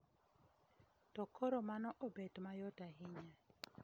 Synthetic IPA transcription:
tɔkʰɔɾɔmanɔʔɔbɛdmajɔdaɦɪɲa

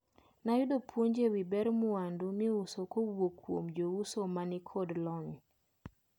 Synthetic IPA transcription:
najʊdopʰwoɲd͡ʒewibɛɾmʊandumɪusokowokːwo̰md͡ʒousomanɪkʰodlɔɲ

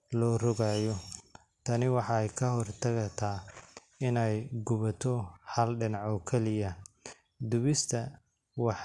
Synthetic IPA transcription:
lɔːrɔɣaːjɔ | t̪ʰɐnɪwɑħɑɛjkʰɐɦɔrt̪ʰɐɣɐt̪ʰaː | ɪnɛjɡʊβɐt̪ʰɔhɐlɖɪnɑʕɔːkʰɛlɪjɐ | d̪ʊβɪst̪ʰɐ | wɑħ

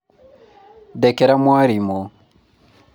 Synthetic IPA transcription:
dɛkɛɾamwaɾimɔ

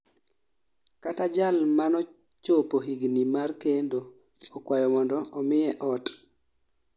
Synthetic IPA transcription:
katad͡ʒalmanɔ | t͡ʃopoɦiɡnimarkendo | ɔkwajɔmɔndɔɔmɪɛʔɔt

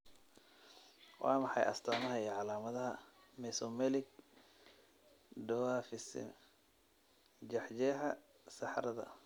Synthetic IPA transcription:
wɑ̰ːmɑħɑjʔɐ̰st̪ʰaːmɐɦɐiːʕɑlaːmɐðɐɦɐ | mɛsɔmɛlɪɡ̚ | ɖɐwaːfɪsɪ̰ | d͡ʒɑħd͡ʒɛɦɐ | sɑħɾɐðɐ̰

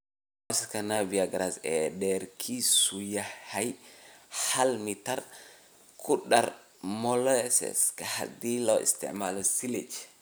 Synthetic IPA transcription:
oskanaviaɡɾasɛɗɛɾkʰisujahaj | halmit̪aɾ | kʰuɗaɾ | mɔlɔɛsɛ̰skaha̰d̪iloḭst̪ɛ̰ʕmalosiled͡ʒ

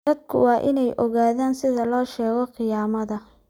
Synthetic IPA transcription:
ɐd̪̚kʰʊ̰wɑːʔɪnɛjʔɔɣaːðaːnsɪðɐlɔːʃɛːɣɔqɨjaːmɐðɐ

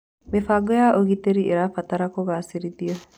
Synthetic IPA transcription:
mefaɡojaʔoɣit̪eɾiiɾafat̪aɾakoɣasiɾit̪iə

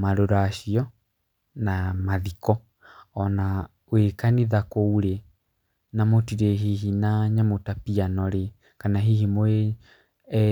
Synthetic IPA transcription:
maɾoɾaɕiɔ | namaðikɔ | ɔna | wekaniðakouɾe | namotiɾeɦiɦinaɲamotapianɔɾe | kanaɦihimoe

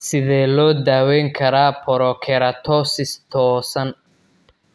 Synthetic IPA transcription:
sɪðɛːlɔːd̪aːwɛːŋkʰɐɾaːpʰɔɾɔkʰɛɾɐt̪ʰɔsɪst̪ʰɔːsɐn

